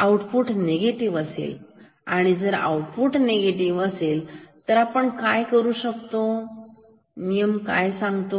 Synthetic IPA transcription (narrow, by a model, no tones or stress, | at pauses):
awʈpuʈneɡeʈiʋəsḛl | aɽ̃id͡zəɾa̰wʈpuʈneɡeʈiʋəselt̪əɾapəɳkajkəɾuːɕəkt̪o | nijəmka̰jsãŋɡt̪o